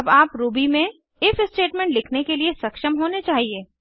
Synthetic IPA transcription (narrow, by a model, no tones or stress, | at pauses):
ɐbaːpɾuːbimẽ | ɪfɪsʈeːʈmɛ̃ːɳʈlɪkʰnekeliesɐkʃəmɦoːnet͡ʃaːɦieː